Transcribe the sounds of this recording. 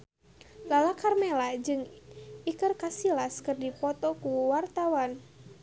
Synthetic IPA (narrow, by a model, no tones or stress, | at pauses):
lalakarmɛlad͡ʒɨŋikɨrkasilaskɨrdipɔt̪ɔkuwart̪awan